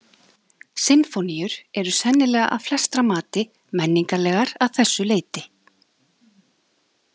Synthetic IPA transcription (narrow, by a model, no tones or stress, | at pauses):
sɪnfonijʏɾ̥ɛɾʏsɛnːɪlɛːɣaʔa̰wflɛst̪ɾamaːt̪ɪ | mɛnːiŋkalɛːɣaɾaðθɛsːʏleːjt̪ɪ